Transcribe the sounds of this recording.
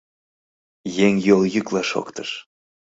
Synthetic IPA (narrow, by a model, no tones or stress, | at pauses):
jeŋjoljyklɑʃo̰kt̪ə̥ʃ